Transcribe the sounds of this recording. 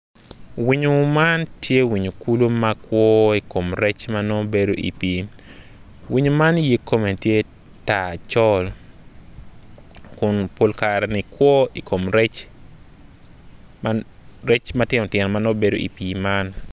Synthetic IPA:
wiɲo˨mantje˦wi˨ɲo˨ku˦lo˦ma˦kwɔ˦i˨ko˨mɾɛ˦t͡ʃmanɔ˦be˦do˦ʔḭ˨pi˨ | wi˦ɲo˨ma˦nje˦kːo˦me˨ntje˦ | ta˨t͡ʃɔ˦l | kʊ˨npo˦lkaɾɛnɪ˨kwɔ˦i˨kʰo˨mɾɛ˦t͡ʃ | maɾɛ˦t͡ʃmatɪ˦nɔ˨tjɛ˨nɔ˨ma˦no˦be˦do˦ḭ˨pi˨ma˦n

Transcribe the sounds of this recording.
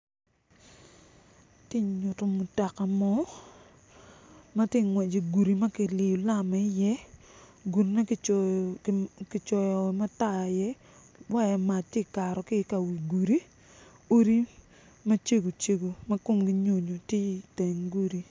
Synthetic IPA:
tje˦ɲʊ˨to˨mu˨ta˨ka˨mɔ˦ | ma˦tje˦ŋwɛ˨d͡ʒi˨ɡu˨ɾi˨ma˦kɪ˨lɪ˨o˨la˦mɛ˨ɪ˦jɛ˦ | ɡu˨nna˦ | kɪ˨t͡ʃɔ˨jɔ˨ma˦ta˦˨jɛ˦ | wa˦jɛ˨ma˨t̚tje˦˨ka˨ɾɔ˨kɪ˦˨ka˨wi˨ɡu˨ɾi˦ | o˦ɾi˦ | ma˦t͡ʃe˦ɡo˨t͡ʃe˦ɡo˨ma˦ko˦mɡɪ˦ɲo˨ɲo˨te˦i˨te˨ŋɡu˦ɾi˨

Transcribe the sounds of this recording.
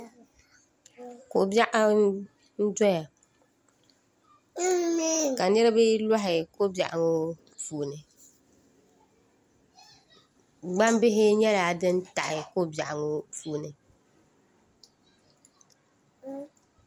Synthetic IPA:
ko˨bja˦ʔa˦ | n̩˦dɔ˦ja˨ | ka˨nɛ˦ɾɪ˦bɪ˦la˦ɦɪ˨ko˦bja̰˨ʔŋʊ˦ | fuː˨nɪ˨ | ɡ͡ba˦m˦bɪ˦ɦɪ˦ɲɛ˦la˨dɪ˦nta˨ʔɪ˨ko˦ba̰˨ʔŋʊ˦fuː˨nɪ˨

